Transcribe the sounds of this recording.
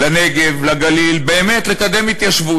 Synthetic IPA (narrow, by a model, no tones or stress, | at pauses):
lane̞ɡevlaɡalilbe̞ːmet̪lekad̪emhit̪jaʃvu